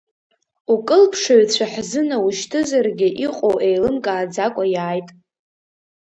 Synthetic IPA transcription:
ukʼɨlpʰʂoɥt͡ɕʷʰaħzɨnauʃtʰɨzarɡʲɪʔiqʼo̰wʔejlɨmkʼaːd͡zakʷʼajaːjtʼ

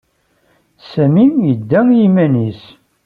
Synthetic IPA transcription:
sæmimjəd̪ːæjimænis

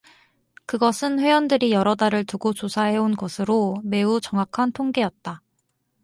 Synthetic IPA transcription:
kɯɡʌsʰɯnɸwe̞jwʌndɯɾijʌɾʌdaɾɯɭtuɡot͡ɕosʰaɦe̞onɡʌsʰɯɾome̞ut͡ɕʌŋɦakʰantʰoŋɡe̞jʌt̚t͈a

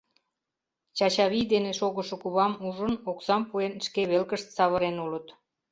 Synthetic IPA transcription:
t͡ɕɑt͡ɕɑβid̪eneʃoɣəʃŏkuβɑmuʒənoksɑmpuenʃkeβelkəʃt̪sɑβəɾenulət̪

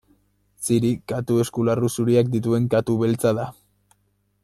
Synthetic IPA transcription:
siɾikat̪ue̞skularusuɾiakd̪it̪̬ue̞ŋkat̪uβe̞lt͡saða

